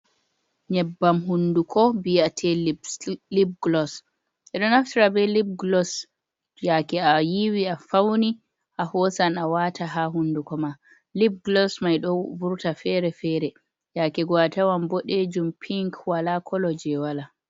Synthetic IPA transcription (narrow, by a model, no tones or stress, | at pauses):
ɲɛbːamɦundukʰɔbiatʰɛllib̚ɡlɔs | ʔɛɗɔnaftiɾabɛlib̚ɡlɔs | jakɛajiwiafawni | ʔahɔsanawatʰaɦaɦunːdukɔma | lib̚ɡlɔsmajɗɔvuɾtafɛɾɛfɛɾɛ | jakɛɡɔatawambɔɗed͡ʒumpʰiŋkwalakʰɔlɔd͡ʒɛwala